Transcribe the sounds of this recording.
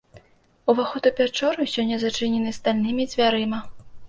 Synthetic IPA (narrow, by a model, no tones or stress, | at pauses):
uvaxɔt̪upʲat͡ʂɔɾusʲɔnʲːɐzat͡ʂɨnʲɛnɨst̪alʲnɨmʲid͡zʲvʲaɾɨmɐ